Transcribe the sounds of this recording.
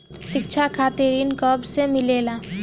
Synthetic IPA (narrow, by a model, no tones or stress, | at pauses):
ʃɪkt͡ʃʰakʰaːt̪iɾinkəbsemɪleːla